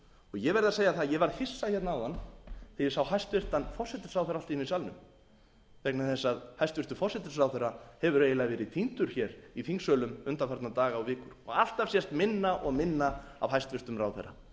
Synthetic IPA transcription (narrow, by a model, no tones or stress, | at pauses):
ɔɣjɛɣvɛɾɪðaseːjaθaðjɛvaɾðhɪsːajçɛt̪naawðanθɪɪ̥sawhajst̪vɪr̥t̪anfɔr̥sɛt̪ɪ̥srawθɛɾalt̪iɪnisalnʏ̰m | vɛknaθɛsːaðhajst̪vɪɾ̥t̪ʏ̥fɔrsɛt̪ɪ̥srawθɛɾahɛvʏɾeːjɪlaɣvɛːɾɪt̪ʰint̪ʏɾ̥çɛɾiθiŋsœːlʏmʏnt̪afaɾt̪nat̪aːɣaɔɣvɪːkʏɾ̥ɔ̰ɣal̥t̪av̥sjɛst̪mɪnːaʔɔɣmɪnːaa̰vɦajst̪vɪr̥t̪ʏmraːwθɛ̰ɾa̰